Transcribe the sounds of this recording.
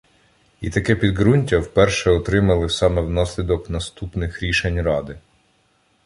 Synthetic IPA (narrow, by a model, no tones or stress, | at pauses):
it̪ɐkɛpʲid̪ɦɾunʲtʲɐwpɛrʃɛɔt̪ɾɪmɐlˠɪsɑmɛwnɑsʲlʲid̪ɔknɐst̪upnɪxɾʲiʃenʲrɑd̪ɪ